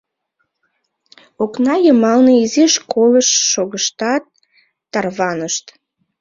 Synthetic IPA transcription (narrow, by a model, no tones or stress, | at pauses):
oknɑjəmɑlneiziʃkoləʃːoɣəʃt̪ɑt̪̚ː | ɑrβɑnəʃt̪